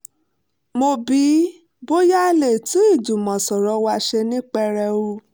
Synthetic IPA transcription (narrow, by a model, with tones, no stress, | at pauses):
mo˧bi˨˦ | bo˦ja˦˧le˨tũ˨˦i˦˨d͡ʒu˨mɔ̃˨sɔ˨ɾɔ˨˧˦wa˧ʃe˧nĩ˦k͡pɛ˧ɾɛ˧u˧˦